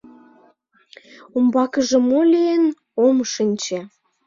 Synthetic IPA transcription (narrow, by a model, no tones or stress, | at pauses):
umbɑkəʒĕmolien | omʃinʲt͡ɕĕ